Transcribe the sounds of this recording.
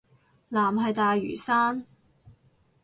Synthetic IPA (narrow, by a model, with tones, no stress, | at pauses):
laː˨˩mɦɐ˨jt̪aː˨jːy̰ː˨˩saː˥n